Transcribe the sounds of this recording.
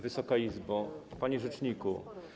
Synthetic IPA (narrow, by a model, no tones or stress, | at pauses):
vɘsɔkaizbɔpaɲiʐɛt͡ʂɲiku